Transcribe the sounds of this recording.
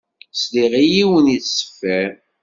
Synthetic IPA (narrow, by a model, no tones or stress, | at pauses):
sliʁijiwəniθsə̥fːæɾ